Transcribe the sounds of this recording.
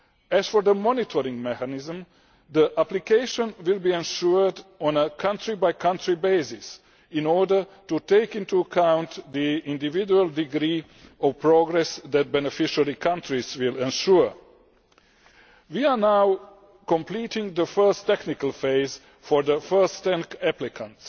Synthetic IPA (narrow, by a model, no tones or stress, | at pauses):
ɛz̥fɔɹðəmɔnitʰɔɹɪ̃ŋmɛkanɪzə̃m | ðiʔæplikeɪʃə̃nwɪlˠbiɛ̃nʃuɹdɔ̃nəkʰʌ̃ntʰɹibaɪkʰʌ̃ntʰɹibeɪsɪs | ɪ̃nɔɹdə˞tuteɪkɪ̃ntuəkʰãʊ̃nt̪ðiɪ̃ndɪvɪd͡ʒuəlˠdɪɡɾiː | ɔvpɹoɡɹɛsðæt̚bɛnɛfɪʃəɹikʰãntʰɹizwɪlɛ̃nʃuɹ | wianaw | kɔ̃mplitɪ̃ŋd̪əfɜ˞stɛknɪkəlˠfeɪz | fɔɹðəfɜ˞stɛ̃nkæplɪkʰə̃nt